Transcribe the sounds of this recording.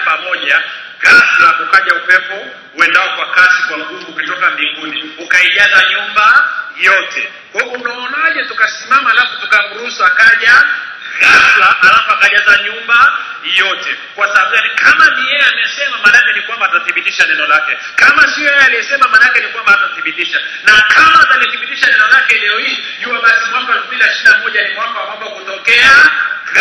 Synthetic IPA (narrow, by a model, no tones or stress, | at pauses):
pamɔʄa | ɣaʃlakukaʄaupɛpɔ | uɛndaɔkwakasi̥kwaŋɡuvuːkitɔkambiŋɡuniukaiʄazaɲumbajɔtɛ | kɛunaːnaʄɛtukasimamaːlafutukaŋuusakaʄa | ɣaʃlaʔalafaɣaʄazaɲumba | jɔtɛ | kwasabaɓujanikʰamanijɛamɛsɛmamanakɛnikwambataθiɓitiʃanɛnɔlakɛ | kamasiɔjɛaliɛsɛmamanakɛnikwambaataθiɓitiʃa | nakamaːtaliθiɓitiʃanɛnɔlakɛlɛɔhiː | ʄuwaɓazimambɔɛlfumbiliaʃinamɔʄanikwambakwambakutɔkɛaɣ